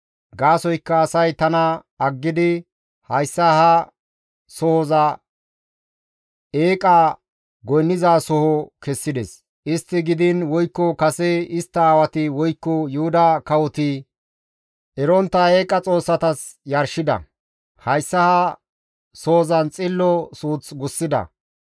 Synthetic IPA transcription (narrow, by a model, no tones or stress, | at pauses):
ɡaːsɔjkːɐːsɐjt̪ɐnɐ | ɐɡːɪd̪ɪ | hɐjsːɐhɐ | soːzɐ | eːkʼɐ | ɡɔjnːɪzasɔhɔkɛsːɪd̪ɛs | ʔɪst̪ːɪɡɪd̪ɪnwɔjkːɔkɐsɛɪst̪ːɐaːwɐt̪ɪwɔjkːɔjʊhʊd̪ɐkɐwɔt̪ɪ | ɛɾɔnt̪ːɐe̞ːkʼɐt͡sʼo̞ːsːɐt̪ɐs | jɐɾʃɪd̪ɐ̰ | hɐjsːɐhɐ | so̞ːzɐnt͡sʼɪlːɔsuːt͡sɡʊsːɪd̪ɐ̰